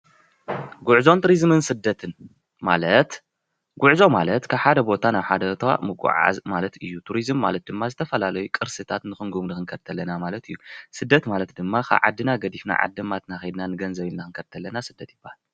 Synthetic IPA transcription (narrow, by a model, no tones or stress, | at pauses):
ɡuʕzo̞nt̪ɾizmɨnsɨd̪ːɐt̪ʰɨn | ma̰lɐt̪ | ɡuʕzo̞malɐt̪kʰaβħad̪ɐbo̞t̪ʰanaβħad̪ɐt̪ʰa̰mɨɡʼṵʕa̰zmalɐt̪ɨjːut̪ʰuɾizɨmːalɐt̪̚d̪ɨmːazɨt̪ʰɐfɐlalɐjukʼɨɾsɨt̪ʰat̪nɨxɨŋɡumnɨxɨŋkʰɐɾt̪ʰɐlːɐnamalɐt̪ʰɨjːusɨd̪ːɐt̪malɐt̪d̪ɨmːakʰa̰βʕa̰d̪ːɨnaɡɐd̪ifna̰ʕa̰d̪ːɨmat̪naxɐjd̪nanɨɡɐnzɐβilnaɨŋkʰɐɾt̪ʰɐlːɐnasɨd̪ːɐt̪jɪbːahal